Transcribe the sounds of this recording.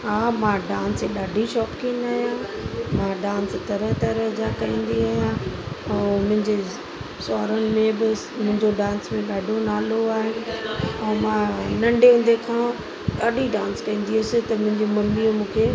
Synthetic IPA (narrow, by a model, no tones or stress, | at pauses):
ɦaːmãːɖãːnseɗaːɖʱiʃɔːpkĩːnaːɦijãmãɖãːnst̪ɐɾəɦt̪ɐɾəɦd͡ʑakɐĩːn̆d̪iaːɦijãɛ̃ːmʊ̃ɦɪ̃ɲd͡ʑe | sɔːɾənɪ̆mẽbɪ | mʊ̃ɦɪ̃ɲd͡ʑoɖãːnsmẽɗaːɖʱonaːloaːɦenɪ̆ɛ̃ːmãːnɐ̃ɳɖʱeɦʊ̃nd̪ekʰãː | ɗaːɖʱiɖãːnskɐ̃ĩːn̆d̪iɦʊsɪt̪ɐmʊ̃ɦɪ̃ɲd͡ʑemɐmːiːəmũːkʰeː